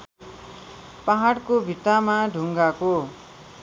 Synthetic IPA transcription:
paɦaɽkobʱit̪amaɖʱuŋɡako

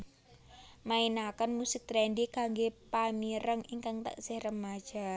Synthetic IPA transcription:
mainakənmusɪk̚t̪ɾɛndikaŋɡepamiɾəŋiŋkaŋt̪ə̰ʔsɪhrəmḁʒ̥a̤

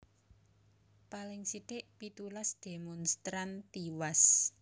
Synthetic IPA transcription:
palɪŋsit̪ɪʔpit̪ulasd̪̥e̤mɔnst̪ɾant̪iwas

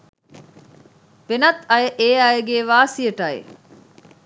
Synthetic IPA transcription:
benɐt̪ɐjeʔeːaːjeɡeːʋaːsieʈaːḛ

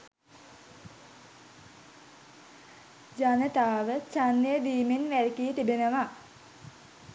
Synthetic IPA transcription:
d͡ʒanət̪aːʋət͡ʃanːejəd̪iːminʋæɾikiːt̪ibenəʋa

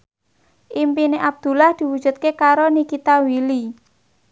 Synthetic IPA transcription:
ʔimpineʔab̚d̪̥ṳlahd̪̥i̤wud̥ʒ̥ṳt̪̚kekaɾonikit̪awili

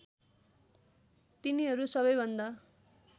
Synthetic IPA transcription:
t̪iniɦʌɾusʌβʌjbʱʌnd̪a

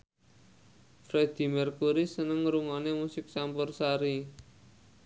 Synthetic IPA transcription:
fɾed̪̥i̤mərkuɾisənəŋɾuŋanemusɪk̚t͡ʃampʊrsaɾi

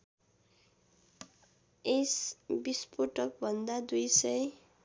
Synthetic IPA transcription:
esbispoʈʌk̚bʱʌnd̪ad̪ujsʌj

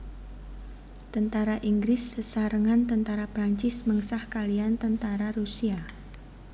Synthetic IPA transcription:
t̪ənt̪aɾaʔiŋɡɾɪsːəsaɾəŋant̪ənt̪aɾapɾaɲt͡ʃɪsməŋsahkaliant̪ənt̪aɾaɾusia

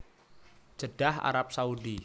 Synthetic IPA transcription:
d͡ʒ̥əɖ̥aɦa̰ɾap̚saudi

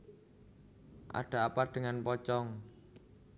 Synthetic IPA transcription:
ʔa̰ɖ̥a̤apaɖ̥ə̤ŋanpɔt͡ʃɔŋ

